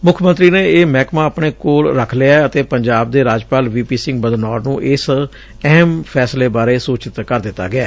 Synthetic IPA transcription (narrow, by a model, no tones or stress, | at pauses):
mʊkʰmə̃nt̪ɾiːneːeːmɛːkmãːəpɳeːkoːlɾəkʰleaət̪eːpəɲd͡ʒaːb̚d̪eːɾaːd͡ʒpaːlʋiːpiːsɪ̃ŋɡ̚bəd̪nɔːɾnũːʔɪs | ɛɦmpʰɛːsleːbaːɾeːsoːt͡ʃɪt̪kəɾd̪ɪt̪ːa̰ːɡɪaː